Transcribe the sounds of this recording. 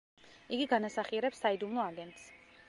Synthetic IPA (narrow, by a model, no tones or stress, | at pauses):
iɡiɡanasaχiɛɾɛpsːaid̪umlˠɔaɡɛnt̪s